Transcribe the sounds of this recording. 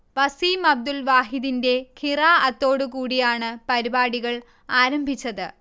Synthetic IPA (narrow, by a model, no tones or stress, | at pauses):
ʋɐsiːmɐb̚d̪ulʋaːɦiðinde̞kʰiraːɐt̪ːo̞ːɽukuːɽijaːɳɨpɐɾibaːɽiɣɐɭ | aːɾɐmbʱit͡ɕːɐðɨ